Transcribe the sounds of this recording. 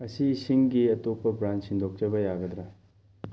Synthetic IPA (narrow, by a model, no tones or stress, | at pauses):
ɐsisiŋɡiɐtopːɐbɾant͡ʃsind̪ʱok̚t͡ʃɐbɐjaɡɐd̪ɾa